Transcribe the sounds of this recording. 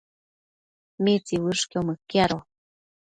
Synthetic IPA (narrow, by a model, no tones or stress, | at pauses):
mit͡siwɨʂkewməkːiaɾo